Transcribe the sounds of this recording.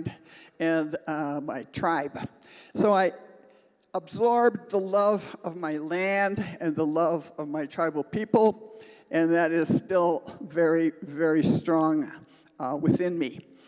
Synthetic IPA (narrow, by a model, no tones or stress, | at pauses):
dɨ̃nmaɪtʰɹ̥aɪb̥ | soʊaɪ | əbzɔɹb̚ðəlʌvʌvmaɪlæ̃ndɨ̃nðəlʌvʌvmaɪtʰɹ̥aɪbl̩ˠpʰipl̩ˠʔɨ̃nðɨɾɪz̥stɪlˠvɛɹivɛɹistɹ̥ɔ̃ŋ | wɨθɪ̃nmi